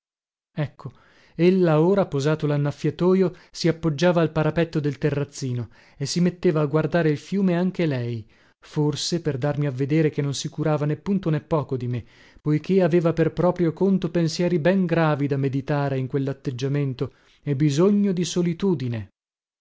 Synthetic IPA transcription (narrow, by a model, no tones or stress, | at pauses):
ɛkʰːo | elːaoːɾapozaːt̪olanːafːjat̪oːjosiapːod͡ʒːaːvaːlpaɾapɛt̪ːod̪elt̪erːat̪sːiːno | esːimet̪ːeːvaːɡward̪aːɾeilfjuːmeaŋk̟elɛj | forseperd̪armiavːed̪eːɾek̟enːonsikuɾaːvanepːunt̪onepːɔːkod̪ime | pojk̟ʰeaveːvaperpɾɔːpɾjokont̪opensjɛːɾibɛŋɡɾaːvid̪amːed̪it̪aːɾeiŋkwelːat̪ːed͡ʒːament̪o | ebizoɲːod̪isolit̪uːd̪ine